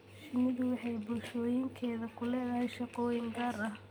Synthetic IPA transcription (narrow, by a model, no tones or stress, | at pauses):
ʃɪnɪðʊwɑħɑjbʊlʃɔːjɪŋkʰɛːðɐkʰʊlɛːðɐɦɛjʃɑqɔːjɪŋɡaːrɐh